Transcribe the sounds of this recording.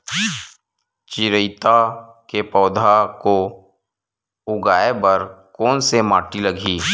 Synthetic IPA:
t͡ʃɪɾəɪt̪a | kepɔːd̪ʱako | ʊɡaːebəɾkɔːnsemaːʈiləɡʱiː

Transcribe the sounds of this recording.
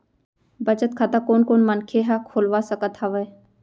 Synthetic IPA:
bɐd͡ʒət̪̚kʰat̪akoːnkoːnmənkʰeɦakʰoːlʋaːsəkət̪ɦaʋeː

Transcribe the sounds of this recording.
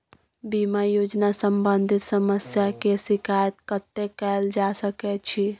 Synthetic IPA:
bimajod͡ʒnasəmbənd̪ʱit̪səməsjakesikʰajət̪kət̪ːekɛld͡ʒasəkɛt͡ʃʰi

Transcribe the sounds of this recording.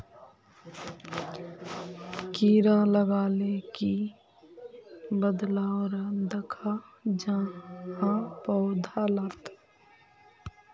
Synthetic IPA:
kiːɾãləɡaːleki | bəd̪laoɾad̪əkʰad͡ʒãhãpɔʊd̪ʱalət̪

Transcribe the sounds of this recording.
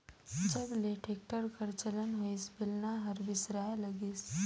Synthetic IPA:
d͡ʒɐbleːʈʰeːk̚ʈəɾkəɾt͡ʃələnɦoisbɪlnaɦɐɾbɪsɾaːlɐɡiːs

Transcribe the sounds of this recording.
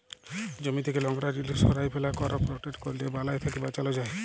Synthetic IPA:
d͡ʒɔmit̪ʰekelɔŋɾaɾilisɔɾajpʰelakɔɾɔpɾɔʈeʈkoɾilebalajt̪ʰakibat͡ʃalɔd͡ʒae

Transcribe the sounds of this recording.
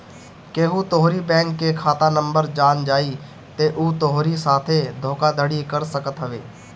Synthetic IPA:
keːɦut̪oɦɾibɛ̃ːŋkːekʰaːt̪anə̃mbəɾd͡ʒaːnd͡ʒaːiː | t̪eʔuːt̪oɦɾisaːt̪ʰed̪ʱoːkad̪ʱəɽikəɾsəkət̪ɦəʋeː

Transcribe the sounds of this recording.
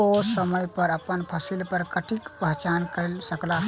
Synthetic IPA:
osəməjpəɾəpənpʰəsilpəɾkəʈikpəɦt͡ʃankəɪlsəkla

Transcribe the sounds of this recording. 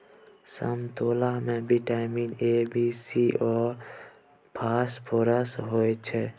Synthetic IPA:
sə̰mt̪oːlamẽbʱiʈaːɪmiːnebiːsiʔɔːɾ | pʰaːspʰoːɾəsɦoːet͡ʃʰɛ

